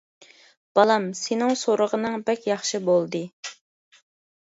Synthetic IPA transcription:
b̥ɑlˠɑmsenɪŋsoɾəʁənɨŋbɛkʲjɑχʃɨbolˠd̪ɨ

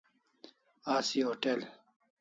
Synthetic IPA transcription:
aːsiɦoːʈel

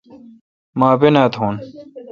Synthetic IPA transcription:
maːbenaːt̪ɦuːn

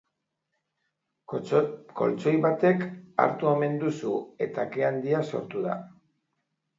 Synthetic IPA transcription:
ko̞̰lt͡so̞jβat̪e̞ka̰ɾt̪ue̞me̞nd̪usue̞t̪akeand̪iaso̞̰ɾt̪uða̰

